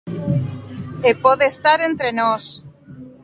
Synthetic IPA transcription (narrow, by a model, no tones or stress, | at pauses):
epoðest̪aɾent̪ɾenos